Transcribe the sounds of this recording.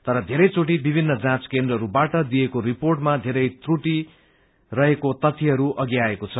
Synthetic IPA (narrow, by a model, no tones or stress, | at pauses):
t̪ʌɾʌd̪ʱeɾʌjt͡soʈ̬ibibʱinːʌd͡zãt͡skẽnd̪rʌɾubaʈʌd̪iekoɾiporʈmad̪ʱeɾʌjt̪ruʈi | rʌɦekot̪ʌt̪ʰːiɦʌɾuʔʌɡjaekot͡sʰʌ